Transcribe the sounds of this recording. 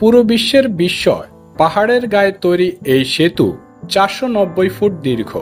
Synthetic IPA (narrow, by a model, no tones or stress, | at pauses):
puɾobiʃːeɾbiʃːɔ̰e | paɦaɽeɾɡaet̪ojɾiejʃet̪ṵ | t͡ɕaɾʃonɔbːojfuʈ̚d̪iɾkʰo̰